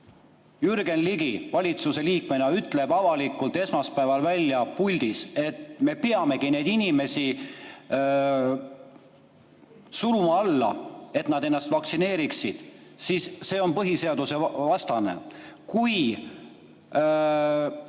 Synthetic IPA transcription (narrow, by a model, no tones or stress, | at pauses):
jyɾɡ̥e̞nliɡivɑlʲit̪suse̞liːkme̞nɑyt̪ːˑle̞b̥ɑvɑlikːˑult̪e̞smɑspævɑlvælʲːjɑpulʲd̪̥ise̞t̪me̞peɑme̞ɡ̥ine̞jd̪inime̞si | sulumɑɑlːɑ̰e̞t̪nɑd̪e̞nːɑst̪vɑksine̞ːɾiksid̪̥sisːe̞ːo̞npɤɦise̞ɑd̪use̞vɑst̪ɑnḛkuj